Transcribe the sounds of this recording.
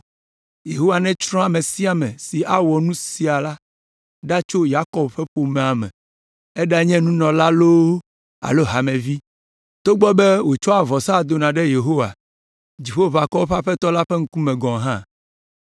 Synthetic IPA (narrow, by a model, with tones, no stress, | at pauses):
je˨ɦo˦wa˨nɛ̃˦t͡ʃɾɔ̃˦a˨mɛ̃˨si˦a˨mɛ̃˨si˨a˦wɔ˨nũ˦si˦a˨la˦ | ɖa˦t͡ʃo˦ja˦kɔ˨bɸɛ˦ɸo˨mɛ̃˨a˨mɛ̰̃˨ | ɛ˦ɖa˦ɲɛ̃˦nũ˦nɔ̃˨la˦lo˦w | a̰˨lo˦ɦa˨mɛ̃˨vi˦ | t̪o˦ɡ͡bɔ˦bɛ˦wo˨t͡ʃɔ˦a˨vɔ˨sa˦˨d̪o˨nã˨ɖɛ˦je˨ɦo˦wa̰˨ | d͡ʑi˨ɸo˦va˨kɔ˦wo˦ɸa˦ɸɛ˦t̪ɔ˦la˦ɸe˦ŋ̩˦ku˦mɛ̃˨ɡɔ̃˨ɦã̰˦˨